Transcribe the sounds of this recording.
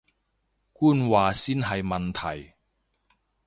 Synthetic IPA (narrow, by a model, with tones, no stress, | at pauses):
kuː˥˩nwaː˨˧siː˥nɦɐ˨jmɐ˨nt̪ʰɐ˨˩j